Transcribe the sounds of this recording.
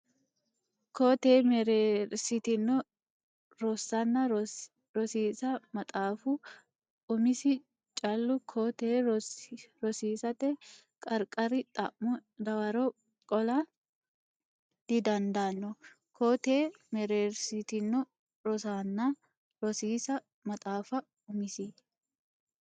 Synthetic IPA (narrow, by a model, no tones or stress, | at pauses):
koːt̪eːmɛɾeːɾsɪt̪ɪnːɔ | ɾɔsːɐnːɐ | ɾɔsiːsɐmɐt̪ʼaːfʊ | ʊmɪsɪ | t͡ʃʼɐlːʊkʰoːt̪eː | ɾɔsiːsɐt̪ɛ | kʼɐɾkʼɐɾɪt̪ʼɐ̰ʔʊd̪ɐwɐɾɔ | kʼɔla | d̪̥ɪd̪ɐnd̪aːnːɔ | koːt̪eː | mɛɾeːɾsit̪ɪnːɔ | ɾɔsaːnːa | ɾɔsiːsɐ | mɐt̪ʼaːfɐ | ʊmɪsɪ